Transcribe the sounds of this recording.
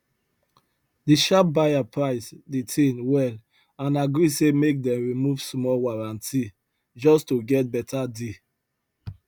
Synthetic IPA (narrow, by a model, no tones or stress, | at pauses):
diʃap̚bajapʰɹaɪsditʰẽnwɛl | ãnaɡɹisemek̚dɛ̃mɹimuv̥smɔlwaɹãntʰi | d͡ʒɔstuɡɛt̚bɛtʰade